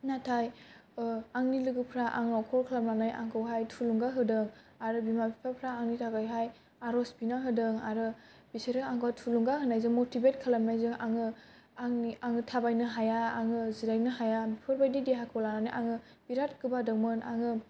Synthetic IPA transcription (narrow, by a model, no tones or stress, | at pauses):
natʰaj | aŋnilɯɡɯpʰɾaʔa̰ŋɯɔkʰɔɾkʰalamlanajʔa̰ŋkʰɯwɦajtʰuluŋɡaɦɯdɯŋ | aɾɯbimabipʰapʰɾaːŋnitʰaɡajɦaj | aɾɔsbinaɦɯdɯŋaɾɯ | b̥iseɾɯaŋɡwatʰuluŋɡaɦɯnajzɯŋmotʰibet̚kʰalap̚najzɯŋaŋɯ | ŋiaŋɯtʰabajnɯɦajaːŋɯziɾajnɯɦajabipʰɯɾbajdideɦakʰɯwlananajʔaŋɯ | b̥iɾat̚kʰɯbadɯmɯna̰ŋɯ